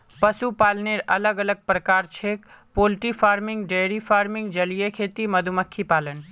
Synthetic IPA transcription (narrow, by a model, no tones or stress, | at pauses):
pɐsupaːlneːɾɐləɡələɡ̚pɾəkaːɾt͡ʃʰeːk | poːlʈifaːɾmɪ̃ŋɡɖeːɾifaːɾmɪ̃ŋɡd͡ʒɐlijekʰeːt̪imɐd̪ʱuməkʰːipaːlən